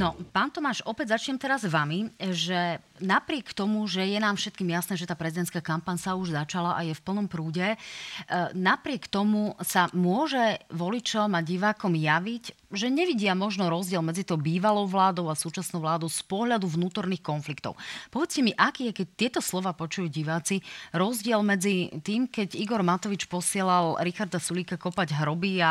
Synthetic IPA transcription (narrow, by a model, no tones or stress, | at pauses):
nɔpaːnt̪ɔmaːʃɔpɛɟzat͡ʃɲɛmt̪ɛɾazʋamiʒɛnapɾɪɛkt̪ɔmuʒɛjɛnaːmfʃɛt̪̚kiːmjasnɛːʒɛt̪aːpɾɛzid̪ɛnt̪skaːkampaɲsauʒzat͡ʃalaʔajɛfpl̩nɔmpɾuːɟɛ | napɾɪɛkt̪ɔmusamʊɔʒɛʋɔlit͡ʃɔmaɟiʋaːkɔmjaʋic | ʒɛɲɛʋiɟɪamɔʒnɔɾɔzɟɪɛlmɛd͡zit̪ɔʊbiːʋalɔʊʋlaːd̪ɔʊasuːt͡ʃasnɔʊʋlaːd̪ɔʊspɔɦʎad̪uvnuːt̪ɔɾniːxkɔnflikt̪ɔ̰ʊpɔʋɛt͡scɛmiʔakiːakɛc̚t̪ɪɛt̪ɔslɔʋaːpɔt͡ʃujuɟiʋaːt͡siɾɔzɟɪɛlmɛd͡zit̪iːmkɛɟiɡɔɾmat̪ɔʋit͡ʃpɔsɪɛlalɾixaɾd̪asuliːkakɔpaɟɦɾɔbia